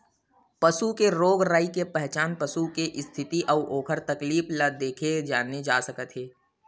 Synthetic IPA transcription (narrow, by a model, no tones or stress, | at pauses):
pəsukeɾoːɡɾaːikepɛɦt͡ʃaːnpəsukeʔɪst̪ʰɪt̪iʔɐːoːkʰəɾt̪ɐkliːflad̪eːkʰed͡ʒaːned͡ʒaːsəkət̪ɦeː